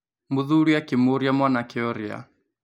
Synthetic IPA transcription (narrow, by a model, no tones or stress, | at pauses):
muðuɺijakimuɾiamwanakiɔɾia̰